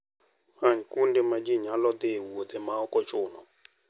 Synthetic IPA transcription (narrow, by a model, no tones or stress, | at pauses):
haɲkundɛmad͡ʒiɲalɔd̪ɪwod̪ɛmaɔkɔt͡ʃʊnɔ̰